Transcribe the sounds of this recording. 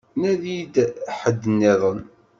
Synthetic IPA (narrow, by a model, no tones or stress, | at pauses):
næðid̪ħəd̪ːənːɪðˤən